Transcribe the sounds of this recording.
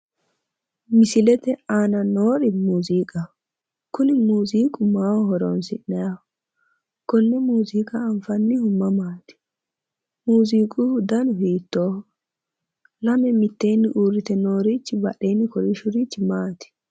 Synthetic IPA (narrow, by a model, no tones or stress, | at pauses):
mɪsɪlɛt̪ɛaːnɐnoːɾɪmuːziːkʼɐ | kʊnɪmuːziːkʼʊmaːwɔhɔɾoːnsɪnːɐja | kɔnːɛmuːziːkʼɐːɱfɐnːɪhʊmːɐmaːt̪ɪ̥ | muːziːkʼʊd̪ɐnʊhiːt̪ːoː | lɐmɛmɪt̪ːejnːɪʔuːɾːɪt̪ɛno̞ːɾiːt͡ʃːɪbɐʔejnːɪkɔɾɪʃʊɾiːt͡ʃːɪmaːt̪ɪ̥